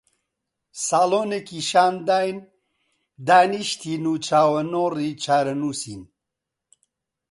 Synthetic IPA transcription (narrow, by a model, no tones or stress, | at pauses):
saːloːnekiʃaːnd̪aːjn | d̪aːniʃt̪ʰiːnuːt͡ʃʰaːwɐnoːrit͡ʃʰaːɾɐnuːsin